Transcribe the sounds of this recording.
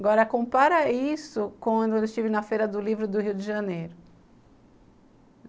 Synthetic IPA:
ɡɔɾɐkõpaɾɐisʊkwɐ̃d̪ʊewɪsʃt͡ʃivɪnɐfejɾɐd̪ʊlivɾʊd̪ʊhiwd͡ʒɪʒɐnejɾʊ

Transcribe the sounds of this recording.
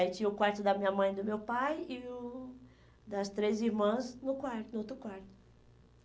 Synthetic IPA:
it͡ʃĩɲɐʊkwaɾt̪ʊd̪ɐmĩɲɐmɐ̃j̃d̪ʊmewpajɪʊ | d̪ɐst̪ɾeziɾmɐ̃znʊkwaɾt̪ʊnʊot̪ɾʊkwaɾt̪ʊ̥

